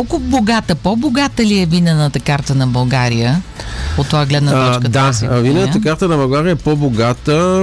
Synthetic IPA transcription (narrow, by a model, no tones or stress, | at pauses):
kɔlˠkʊboɡat̪əpɔboɡat̪əliɛvinənət̪əkaɾt̪ənɐbɐlˠɡaɾijəot̪ːovaɡlɛd̪nət̪ɔt͡ʃkəd̪avinɛnət̪əkaɾt̪ənɐbɐlˠɡaɾijəɛpɔboɡat̪ə